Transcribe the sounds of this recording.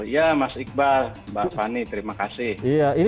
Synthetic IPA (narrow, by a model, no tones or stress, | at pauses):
jamasik̚balbalpanit̪əɾimakasɪhiain